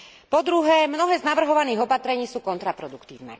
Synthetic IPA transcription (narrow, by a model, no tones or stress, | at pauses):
pɔd̪ɾuɦɛmnɔɦɛːznaʋr̩ɦɔʋaniːɣɔpat̪ɾɛɲiːsuːkɔnt̪ɾapɾɔd̪ukt̪ḭːʊnɛ̰